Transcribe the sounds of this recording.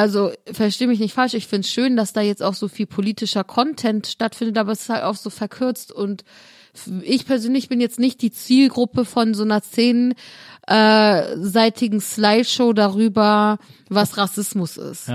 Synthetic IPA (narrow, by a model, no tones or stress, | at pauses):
ʔalzofɛɐʃteːəmɪçnɪçtfalʃɪçfɪntsʃøːndasd̥aːjɛt͡sta̰ʊxz̥oːfiːlpʰoliːtɪʃɐkʰɔntʰɛntʃtatfɪndətʔaːbɐɛsɪ̥sthaltaʊfz̥oːfɛɐkʰʏɐt͡stʊnt | ʔɪçpʰɛɐzøːnlɪçb̥ɪnjɛt͡stnɪçt̚d̥iːt͡siːlɡʁʊpəfɔnzoːnɐt͡seːnʔɛːzaɪtʰɪɡŋ̩slaɪʃoʊdaʁyːbɐvasʁasɪsmʊsɪ̰st